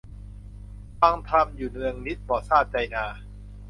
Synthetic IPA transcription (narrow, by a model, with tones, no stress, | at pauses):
fa˧ŋt̪ʰa˧mjuː˨˩nɯ˧əŋni˦˥t̪̚bɔː˨˩saː˥˩t̪̚t͡ɕa˧jnaː˧